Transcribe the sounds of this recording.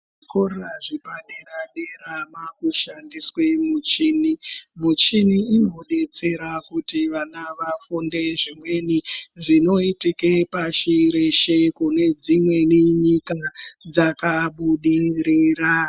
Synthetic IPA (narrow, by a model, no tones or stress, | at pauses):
ʐikoraʐipaɗeraɗeɾamakuʃandiswe̞mut͡ʃinimut͡ʃiniinoɗe̞t͡se̞ɾakutiʋanaʋafunde̞ʐimwe̞niʐino̞itikepaʃiɾeʃekune̞d͡zimwe̞niɲikad͡zakaɓuɗiɾira